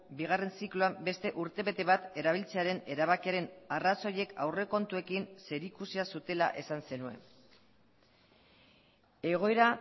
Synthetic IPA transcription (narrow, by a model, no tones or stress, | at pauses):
biɣ̞are̞nsikluabe̞st̪e̞ʔuɾt̪e̞βe̞t̪e̞β̞at̪e̞ɾaβ̞ilt͡se̞aɾe̞ne̞ɾaβ̞akiaɾe̞naraso̞je̞ka̰wre̞ko̞nt̪ue̞kinse̞ɾikusiasut̪e̞la̰ʔe̞sanse̞nue̞̰ | e̞ɣ̞o̞eɾa